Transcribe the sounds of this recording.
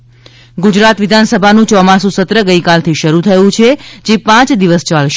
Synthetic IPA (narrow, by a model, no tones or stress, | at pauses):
ɡud͡ʒɾat̪ʋɪd̪ʱansəbʱanũt͡ʃɔmasũsət̪ɾəɡəikalt̪ʰiʃəɾut̪ʰəjũt͡ʃʰed͡ʒepãt͡ʃd̪iʋəst͡ʃalʃ